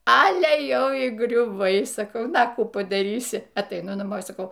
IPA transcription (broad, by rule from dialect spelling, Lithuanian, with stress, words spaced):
ˈɑːlʲɛ ˈjɛʊ iː ɡrʲʊˈʋɐɪ sɐˈkɐʊ ˈnɐ ɐ ˈkuː pɐdɐˈrʲiːsʲɪ ɐtɐɪˈnʊ nɐˈmoː sɐˈkɐʊ